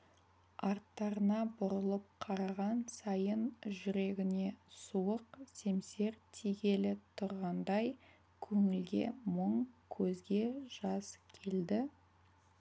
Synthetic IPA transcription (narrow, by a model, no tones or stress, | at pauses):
ɑɾt̪ːɑɾənɑbʊɾəlˠəp̚qʰɑɾɑʁɑnsɑjənʒʏɾe̞ɡʲɪne̞suəqse̞mse̞ɾt̪ʰiɡʲe̞lɪt̪ʰʊɾʁɑnd̪ɑj | kʲʰɵŋɪlɡʲe̞̰məɴkʲʰɵzɡʲe̞ʒ̥ɑskʲʰe̞ld̪ɪ